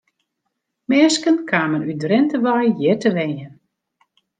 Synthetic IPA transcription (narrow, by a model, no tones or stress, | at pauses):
mɛːskənkʰaːmənydrɪntəʋajjɪtəʋɛnjən